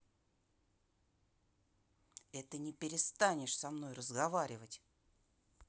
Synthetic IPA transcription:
ɛt̪ənʲɪpʲɪɾʲɪst̪anʲɪʂsɐmno̞jrəzɡɐvaɾʲɪvətʲ

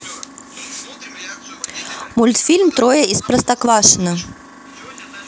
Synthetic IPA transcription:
mulʲt̪fʲilʲmt̪ɾɔjɛispɾɐst̪aklˠaʂɨnɐ

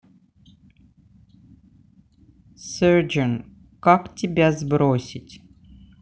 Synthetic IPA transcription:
sɛrd͡ʒən | kaktʲɪbʲazbɾosʲɪtʲ

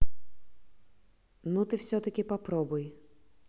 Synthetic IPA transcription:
nut̪ɪwsʲɔt̪ɐkʲɪpɐpɾɔbʊj

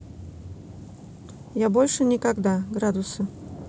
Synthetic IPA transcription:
jabɔlʲʂɨnʲɪkaɡd̪aɡɾad̪ʊsɐ

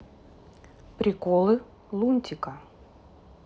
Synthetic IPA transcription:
pɾʲɪkɔlˠɨ | lˠunʲt̪ʲikɐ

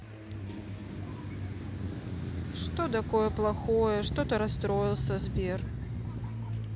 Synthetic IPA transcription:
ʂt̪ot̪akojɛplˠaxojəʂt̪ot̪ɐɾast̪ɾoilˠsʲɐzbʲer

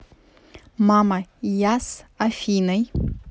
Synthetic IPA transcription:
mamajasafʲinɐj

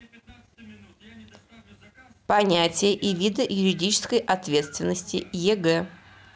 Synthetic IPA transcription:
pɐnʲætʲɪjəʔɪvʲid̪əjʊɾʲɪdʲit͡ɕɪ̥skəjʔɐt̪vʲe̞t̪st̪vʲɪnːəsʲtʲɪ̰jɛɡɛ

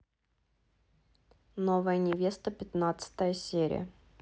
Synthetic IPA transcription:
novəjənʲɪvʲe̞st̪əpʲɪt̪nat̪sə̥t̪əjəsʲeɾʲɪ̰jə̰

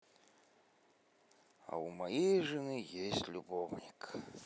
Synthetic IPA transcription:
ɐ̰umajejʐɨnɨjesʲtʲlʲubɔwnʲik

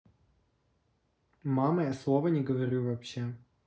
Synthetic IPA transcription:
mamɐjaslˠovənʲɪɡəvɐɾʲuvɐpɕːe

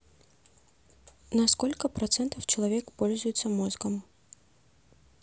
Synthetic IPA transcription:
nɐskolʲkəpɾɐt̪sɛnt̪əft͡ɕɪlˠɐvʲekpolʲzʊjɪt̪səmɔzɡəm

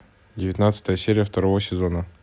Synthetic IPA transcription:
dʲɪvʲɪt̪nat̪sə̥t̪əjəsʲeɾʲɪjəft̪ɐɾovəsʲɪzonə

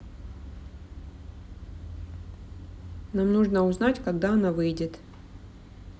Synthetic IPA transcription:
namnuʐnəʊznatʲkɐɡd̪aɐnavɨjdʲɪt̪

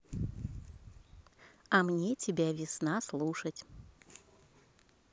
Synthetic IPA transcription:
ɐmnʲetʲɪbʲavʲɪsnaslˠuʂətʲ

